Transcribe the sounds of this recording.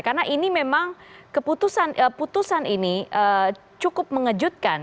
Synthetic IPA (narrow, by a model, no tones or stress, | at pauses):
karnaʔinimemaŋkəput̪usanəput̪usaniniʔə | t͡ʃukʊp̚məŋəd͡ʒut̪̚kan